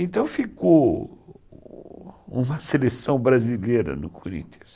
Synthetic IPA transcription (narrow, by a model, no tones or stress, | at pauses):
ẽnt̪ɐ̃w̃fiko | ũmɐselesɐ̃w̃bɾazileɾɐ̰nʊkʰoɾḭ̃nt̪ɐs